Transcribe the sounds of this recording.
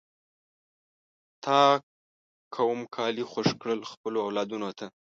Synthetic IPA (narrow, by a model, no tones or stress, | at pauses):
t̪ʰɑ | kʰawəmkʰɑlixoʃkɽəlxpəloawlɑd̪unot̪ʰa